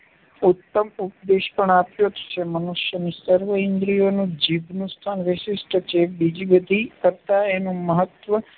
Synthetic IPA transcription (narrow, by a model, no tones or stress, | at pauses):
ut̪ːəmupd̪eʃpəɳapjot̪t͡ʃʰemənuʃjənisəɾʋəɪnd̪ɾionũd͡ʒibnũst̪ʰanʋɪʃɪsʈʰt͡ʃʰebid͡ʒibəd̪ʱikəɾt̪aenũməɦət̪ʋə